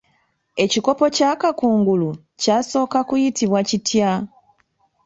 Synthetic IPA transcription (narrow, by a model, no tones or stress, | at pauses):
e̞ciko̞po̞caːkakuːŋɡulu | caːso̞ːkakujitiβwacitʰja